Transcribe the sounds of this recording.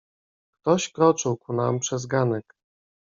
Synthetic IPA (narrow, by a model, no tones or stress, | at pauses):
kt̪ɔɕkɾɔt͡ʂɘwkunampʂɛzɡanɛk